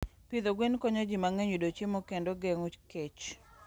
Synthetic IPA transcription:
pid̪oɡwenkoɲod͡ʒimaŋeɲudot͡ʃemokendoɡeŋut͡ʃket͡ʃ

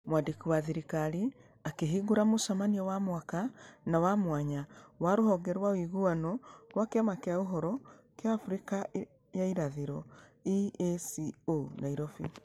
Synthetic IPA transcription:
mwadikiwaðiɾikaɾi | akeɦiɡuɾamosamaniɔwamwakanawamwaɲawaɾohɔɡɛɾwawiɣuanɔɾwakeamakeauɦɔɾɔ | kjaːfuɾika | jaiɾaðiɾɔiesionaiɾɔfi

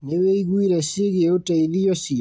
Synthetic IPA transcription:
neweiɣwiɾɛsiɣeotaiðiɔsi

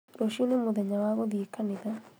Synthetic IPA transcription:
ɾoʃionemoðɛɲawaɣɔðiekaneða

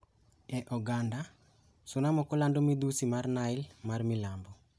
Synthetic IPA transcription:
ɛʔɔɡanda | sunamɔkɔlandomid̪usimarnaɪlmarmilambɔ

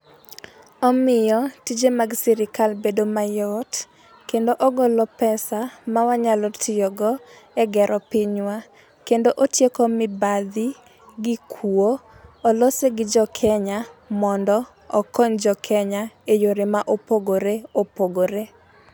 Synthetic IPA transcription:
ɔmɪjɔtid͡ʒemaɡsɛɾɪkalbedomajɔt | kendoʔɔɡɔlɔpɛsamawaɲalɔtʰɪjɔɡɔɛɡɛɾʔɔpɪɲwa | kendoʔotjekɔmɪbad̪ɪ | ɡɪkʰuo | olɔseɡɪd͡ʒɔkʰɛɲamɔndɔ | ɔkɔnd͡ʒɔkʰɛɲaejoɾemaʔopoɡoɾeopoɡoɾe

